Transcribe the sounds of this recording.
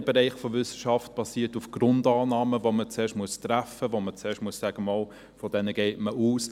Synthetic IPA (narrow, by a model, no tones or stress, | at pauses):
b̥eɾɛɪχfovʏsə̥ʃɑft̚b̥ɑsiːtufɡ̥ɾʊndɑːnɑːməvomət͡seːʃtmuəstɾæfəvomət͡seːʃtmuəssæɡ̥əmɑːl | fɔd̥ɛnəɡ̥eɪtməuːs